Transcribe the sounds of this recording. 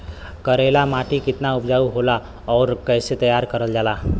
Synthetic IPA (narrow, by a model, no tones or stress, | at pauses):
kəɾelamaʈikɪt̪naupd͡ʒauɦola | ɔːɾkəɪset̪əjaɾkəɾəld͡ʒaːla